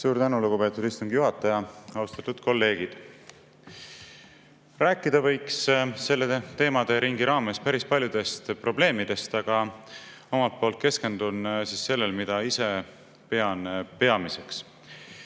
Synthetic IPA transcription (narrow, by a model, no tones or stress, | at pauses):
suːɾt̪ænuluɡ̥upe̞ːt̪ːˑud̪̥ist̪uŋɡ̥juɦɑt̪ːˑɑjɑɑwst̪ɑt̪ːud̪̥ko̞lːe̞ːɡ̥id̪̥ | ræːkːˑid̪̥ɑvɤjksse̞lːe̞t̪e̞ːmɑd̪e̞ɾiŋɡ̥iɾɑːme̞spæɾispɑlʲjud̪̥e̞st̪pro̞ble̞ːmid̪̥e̞st̪ɑɡ̥ɑ | o̞mɑlt̪̚po̞ːlt̪̚ke̞ske̞nd̪̥unsisːe̞lːelmid̪̥ɑise̞ | pe̞ɑnpe̞ɑmise̞ks